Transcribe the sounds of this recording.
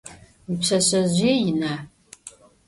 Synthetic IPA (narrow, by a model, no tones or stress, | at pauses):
pɕɐɕɐʑʷiːjɪnaː